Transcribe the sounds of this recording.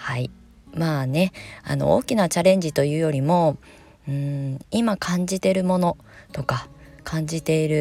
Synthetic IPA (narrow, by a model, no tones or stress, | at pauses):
hai | maːne̞a̰no̞̰o̰ːkʲinat͡ɕaɾẽ̞ɲ̟d͡ʑit̪o̞jɯ̟ːjo̞ɾʲimo̞ | ɯ̟̃ːimakʰãɲ̟d͡ʑit̪e̞ɾɯ̟mo̞no̞ | t̪o̞kakʰãɲ̟d͡ʑit̪e̞iɾɯ̟